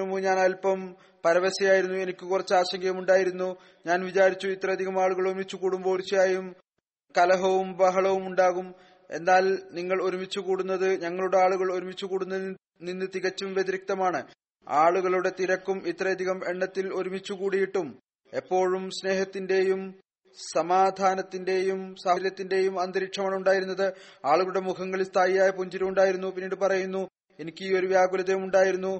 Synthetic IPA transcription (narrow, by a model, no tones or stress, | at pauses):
umuɲaːnɐlpɐm | pɐɾɐʋesɐjaːjiɾunːue̞nikʲːukurɐt͡ɕːaːɕɐŋɡɐɣɐmuɳɖaːjiɾunːu | ɲaːnʋit͡ɕaːɾit͡ɕːuit̪ːrɐɐd̪ʱiɣɐmaːɭuɣɐɭo̞ɾumit͡ɕːukuːɽumbo̞ːrit͡ɕːijaːjum | kɐlɐɦɐʋumbɐɦɐɭɐʋumuɳɖaːɣum | e̞̰nːaːlniŋːɐɭo̞ɾumit͡ɕːukuːɽunːɐðɨɲɐŋːɐɭuɽe̞aːɭuɣɐɭo̞ɾumit͡ɕːukuːɽunːɐð | ninːɨt̪iɣɐt͡ɕːumʋed̪iɾik̚t̪ɐmaːɳɨ | aːɭuɣɐɭuɽe̞t̪iɾɐkːumit̪ːrɐjɐd̪ʱiɣɐmeɳːɐt̪ːilo̞ɾumit͡ɕːukuːɽijiʈːum | e̞pːo̞ːɻumsne̞ːhɐt̪ːinde̞jum | sɐmaːd̪ʱaːnɐt̪ːinde̞jumsɐɾijɐt̪ːinde̞jumɐnd̪ɐɾikʂɐmaːɳuɳɖaːjiɾunːɐðɨaːɭuɣɐɭuɽe̞mukʰɐŋːɐɭist̪ʰaːjijaːjɐpuɲd͡ʑiɾɐmuɳɖaːjiɾunːupinːiːɽɨpɐrɐjunːu | e̞nikʲːɨiːo̞ɾuʋjaːɡulɐðɐjumuɳɖaːjiɾunːu